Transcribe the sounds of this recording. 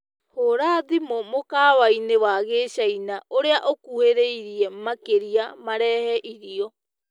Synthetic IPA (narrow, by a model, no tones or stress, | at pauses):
hoɾaːðimomokaːwainewaɣeːɕainaʔoɾeaʔokuheɾeiɾiɛmakeɾiamaɾɛːhɛʔiɾiɔ